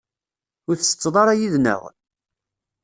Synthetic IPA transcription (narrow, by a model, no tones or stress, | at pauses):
ʊɾθə̥t͡sːðˤɑɾˤɑjiðnə̰ʁ